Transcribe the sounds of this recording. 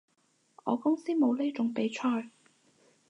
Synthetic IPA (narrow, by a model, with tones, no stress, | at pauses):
ʔɔ̰ː˨˧kʊ˥ŋsiː˥mo˨˧wle˥t͡sʊ˨˥ŋpe˨˥jt͡ʃʰɔː˧˩j